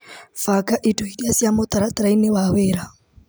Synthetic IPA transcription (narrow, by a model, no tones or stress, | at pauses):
fakʼaʔitʰʼuhidiasjamʊt̪ʼaɾat̪ʼɾainɪwaweːɾa